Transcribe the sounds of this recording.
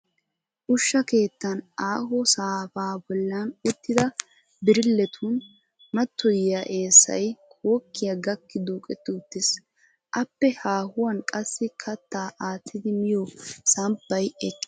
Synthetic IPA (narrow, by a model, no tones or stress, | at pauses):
ʔʊʃːɐke̞ːt̪ːɐnaːɦɔsaːfaːbɔlːɐnʊt̪ːɪd̪ɐ | bɪɾɪlːɛt̪ʰuːn | mɐt̪ːɔjɪjaʔe̞ːsːɐ̰jkʰoːkːɪjaɡɐkːɪd̪uːkʼɛt̪ːɪʊt̪ːɪs | ʔɐpːɛhaːhʊwɐnkʼɐsːɪkʰɐt̪ːaːʔaːt̪ʰːɪd̪ɪmɪjɔsɐmpːɐjɛkʼː